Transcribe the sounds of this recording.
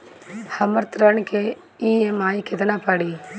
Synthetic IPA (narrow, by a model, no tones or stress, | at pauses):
hɐməɾt̪ɾəɳke | iːemaːjked̪ɐnapaːɽi